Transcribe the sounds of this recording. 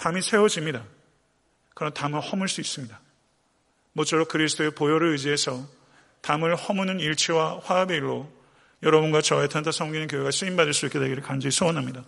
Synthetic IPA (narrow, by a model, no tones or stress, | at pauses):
tamisʰe̞wod͡ʑimɲida | kɯɾʌntamɯɭhʌmuɭs͈uis͈ɯmɲida | mot͡ɕ͈ʰoɾok̚kɯɾisʰɯ̥tʰoepojoɾɯɭɯd͡ʑiɦesʰʌ | tamɯɭhʌmunɯniɭt͡ɕʰiwaɸwaabeiɭːo | jʌɾʌbunɡat͡ɕʌetʰantʰasʰʌŋɡinɯnk̬joɦeɡaɕʰiimbadɯɭs͈uik͈e̞de̞ɡiɾɯɭkand͡ʑiisʰɯʌnɦamɲida